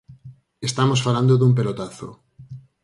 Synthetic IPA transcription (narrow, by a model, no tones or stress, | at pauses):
est̪amosfaland̪oðump̬elot̪aθo̰